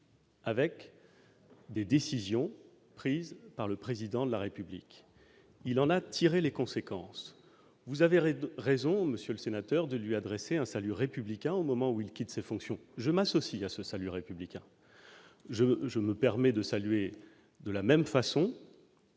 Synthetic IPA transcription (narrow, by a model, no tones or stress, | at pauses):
avɛk | d̪ed̪esizjɔ̃ | pχizpaʁləpχezid̪ɑ̃d̪əlaʁepyblḭk | ilɑ̃nat̪ʰiʁelekɔ̃sekɑ̃s | vuzaveʁezɔ̃məsjøləsenat̪œʁd̪əlɥiad̪ʁeseɛ̃salyʁepyblikʲɛ̃omɔmɑ̃uilkʲit̪sefɔ̃ksjɔ̃ʒəmasɔsiasəsalyʁepyblikʲɛ̃ | ʒəʒəməpɛʁmɛd̪əsalyɥe | d̪əlamɛmfasɔ̃